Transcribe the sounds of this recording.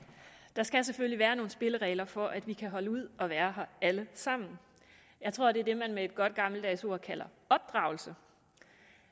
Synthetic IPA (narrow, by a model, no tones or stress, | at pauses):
d̥ɑ̈sɡ̥æs̬eføl̰liʋæːɐno̝ːn̩sb̥e̝ləʁɛ̰ɪlɐfɒ̽ʔæd̥ʋikʰæɦɒ̽ləuð̞̰ˠɒ̽ʋæːɐɦɐæləsɑ̈m̰n̩ | jɑ̈ɪt͡sʰʁo̝ɐ̰d̥e̝æɐd̥e̝mænmee̝d̥̚ɡ̥ɒ̽d̥̚ɡ̥ɑ̈ml̩d̥ɛːso̝ɐ̰kʰælɐ | ɒ̽b̥̚d̥ʁɑ̈ʊl̩sə